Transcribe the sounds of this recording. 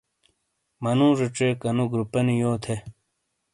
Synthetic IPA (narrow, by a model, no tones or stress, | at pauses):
mɐnũːʐuʈ͡ʂeːkɐnuɡɾupɐnijoːt̪ʰe